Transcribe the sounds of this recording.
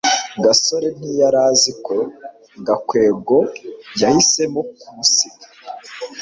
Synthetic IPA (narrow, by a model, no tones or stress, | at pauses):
ɡaso̞ɾe̞mnijaɾaːziko̞ | ɡakwe̞ːɡo̞jahise̞mokusi